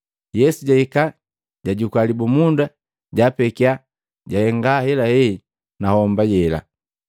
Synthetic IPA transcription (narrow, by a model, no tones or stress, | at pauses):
jɛsuɟaika | ɟaɟukalibumunda | ɟaːpɛkia | ɟahɛŋɡahɛlahɛ | nahɔmbajɛla̰